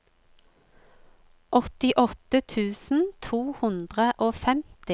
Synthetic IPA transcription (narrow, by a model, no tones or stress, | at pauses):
ʔɔt̪ɪʔɔt̪ət̪ʰʉːsn̩t̪ʰuːhʉnd̪ʁəʔoːfɛmt̪ɪ